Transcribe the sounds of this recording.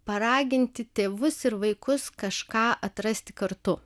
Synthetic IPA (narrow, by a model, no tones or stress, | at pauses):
pɐɾɑːɡʲɪnʲt̪ʲɪt̪ʲeːʋʊsɪɾʋɐɪkʊskɐʃkɑːʔɐt̪ɾɐsʲt̪ʲɪ̥kɐɾt̪ʊ